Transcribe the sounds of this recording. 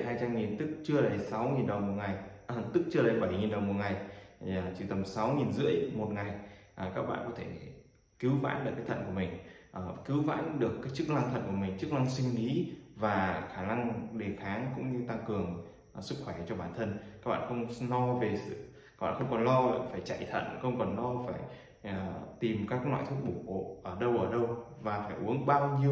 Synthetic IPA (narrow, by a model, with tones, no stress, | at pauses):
ɦaː˧jt͡ɕa˧mŋi˨˩nt̪ɨ˦˥k̚t͡ɕɨ˧əlaː˨˩˨jsa˨˦wŋi˨˩nɗə˨˩wmo˨˩t̚ŋa˨˩jt̪ɨ˦˥k̚t͡ɕɨ˧laː˨˩˨ɓa˧˩˨ŋi˨˩nɗə˨˩wmo˨˩t̚ŋa˨˩j | t͡ɕi˧˩t̪ə˨˩msa˨˦wŋi˨˩nzɨ̰˧˥əjmo˨˩t̚ŋa˨˩j | ʔkaː˦˥k̚ɓa̰ː˧˨kɔ˨˦t̪ʰe˧˩ | kɨ˨˦wva̰ː˧˥nɗɨ˨˩kaː˨˦t̪ʰə˧˨nku˧˩əmï˨˩ŋ̟ʔkɨ˨˦wva̰ː˧˥nɗɨ˨˩əkːaː˨˦jt͡ɕɨ˦˥k̚la˧ŋt̪ʰə̰˧˨nku˧˩əmï˨˩ŋ̟t͡ɕɨ˦˥k̚la˧ŋsi˧ŋ̟li˨˦vaː˨˩xaː˧˩na˧ŋɗe˨˩xaː˨˦ŋkʊ̰˧˥ŋ͡mɲɨ˧t̪a˧ŋkɨ˨˩əŋ˩ | sɨ˦˥k̚xwɛ˧˩t͡ɕɔ˧ɓaː˧˩nt̪ʰə˧nkaː˦˥k̚ɓa̰ː˧˨˧xə˧wŋ͡mlɔ˧ve˨˩sɨ̰˧˨ | aː˦˥k̚ɓ̰a̰ː˧˨xə˧wŋ͡mkɔ˨˩nlɔ˧˨faː˧˩jt͡ɕa̰ː˧˨jt̪ʰə̰˧˨nxə˧wŋ͡mkɔ˨˩nlɔ˧faː˧˩j | ə˨˩t̪i˨˩mkaː˦˥k̚nwa̰ː˧˨jt̪ʰɨ˦˥k̚ɓu˧˩o̰˧˨˩ʔəː˧˩ɗə˧wʔəː˧˩ɗə˧w | vaː˨˩faː˧˩jʔu˨˦əŋɓaː˧wɲi˧əw